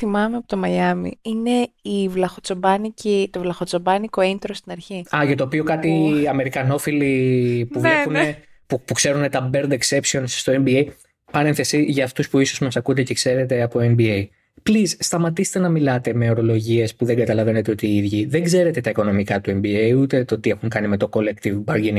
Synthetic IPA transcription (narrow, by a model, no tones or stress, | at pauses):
θimɐmeɐpot̪o̞mɐjɐmḭine̞ivlɐxot͡so̞bɐnicit̪o̞vlɐxo̞t͡sobɐniko̞int̪ɾost̪inɐɾçiɐʝɐt̪o̞ːpio̞kɐt̪iɐme̞ɾikɐno̞filipuvepune | pukse̞ɾune̞t̪ɐbe̞ɾd̪ekse̞psio̞nsst̪o̞e̞mbiej | pɐɾe̞nθe̞siʝɐːft̪uspuiso̞zmɐsɐkund̪ecekse̞ɾe̞t̪e̞ɐpo̞embiej | plisst̪ɐmɐt̪ise̥t̪e̞nɐmilɐt̪e̞me̞o̞ɾo̞lo̞ʝie̞spuðe̞ŋɡɐt̪ɐlɐve̞ne̞t̪e̞o̞t̪iiðʝiðeŋɡze̞ɾe̞t̪e̞t̪ɐiko̞no̞mikɐt̪ue̞mbiejut̪e̞t̪o̞t̪ie̞xuŋkɐnime̞t̪o̞ko̞lekt̪ivbɐɾɟin